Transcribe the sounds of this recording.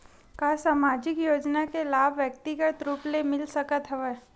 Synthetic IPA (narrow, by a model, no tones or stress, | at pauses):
kaːsaːmaːd͡ʒɪkjoːd͡ʒnakelaːbʱʋjək̚t̪iɡət̪ɾuːplemɪlsɐkət̪ɦɛʋeː